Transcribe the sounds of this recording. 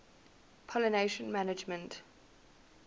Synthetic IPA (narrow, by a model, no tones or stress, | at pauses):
pʰɔləneʃə̃nmanɪd͡ʒmə̃nt